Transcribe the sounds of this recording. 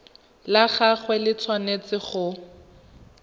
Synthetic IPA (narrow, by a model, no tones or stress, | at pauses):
laχaχwɛlɪt͡sʰwanet͡sɪχʊ